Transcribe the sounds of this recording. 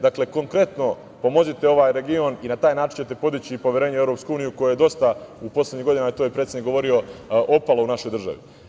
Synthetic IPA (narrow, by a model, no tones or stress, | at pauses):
d̪akleko̞ŋkɾe̞t̪no̞ | po̞mo̞zit̪e̞o̞ʋaːjɾe̞ɡio̞ninat̪aːjnaːt͡ʃinɲt͡ɕe̞t̪e̞po̞d̪it͡ɕipo̞ʋʲjeɾeːɲeevɾo̞pskuuːnijuko̞joje̞d̪o̞st̪aupo̞sledɲiɦɡo̞d̪inajet̪ojepɾet̪enikɡo̞ʋo̞ɾio̞ʔopalˠo̞unaʃo̞jd̪r̩ʒa̰ʋḭ